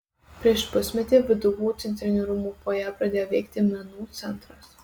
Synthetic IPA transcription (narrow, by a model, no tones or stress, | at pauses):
pʲɾʲiɛʃpʊsʲmʲɛt̪ʲiːʋʲɪd̪ʊʋuːt̪ʲɛnʲt̪ʲɾʲɪnʲʊɾʊmuːpoːjæːpɾɐd̪ʲeːjoːʋʲɛɪkt̪ʲɪmʲɛnuːt̪sʲɛnˑt̪ɾɐs